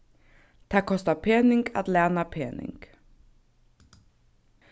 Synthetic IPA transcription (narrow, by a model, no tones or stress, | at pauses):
d̪̥æːkʰɔst̪apʰeːnɪŋɡa̰t̪læːnapʰeːnɪ̰ŋɡ̥